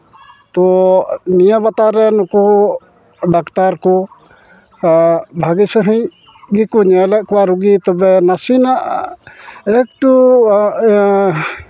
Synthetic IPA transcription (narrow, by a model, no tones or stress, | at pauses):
t̪ɔnijabat̪aɾɛnɔku | ɖakt̪aɾkɔ | bʱaɡisəɦɛ̃ɲ | ɡikuɲɛlɛʔkɔwaɾuɡit̪ɔbɛnasinaʔ | ɛk̚ʈu